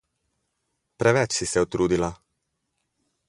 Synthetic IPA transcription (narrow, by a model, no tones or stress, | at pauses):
pɾɛʋɛt͡ʃsisɛut̪ɾuːd̪ila